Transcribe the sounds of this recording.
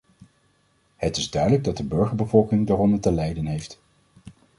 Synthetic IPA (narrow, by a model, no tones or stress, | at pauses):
hətɪzdœɥdələɡ̚dɑd̚dəbɵɹχəɹbəvɔlˠkɪŋdaːrɔndəɹtəlɛjdənɦejft